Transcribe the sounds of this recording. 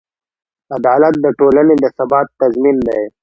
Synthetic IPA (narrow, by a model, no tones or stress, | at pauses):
ad̪ɑːlat̪̚d̪əʈoːlaned̪əsabɑːt̪ːazmind̪aj